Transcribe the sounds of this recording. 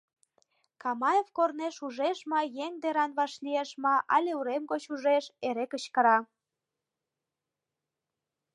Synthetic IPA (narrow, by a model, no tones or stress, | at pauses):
kɑmɑjevkorneʃuʒeʃmɑjeŋd̪eɾɑnβɑʃlieʃmɑʔɑ̰lʲeuɾemɡot͡ɕuʒeʃeɾekət͡ɕkə̆ɾɑ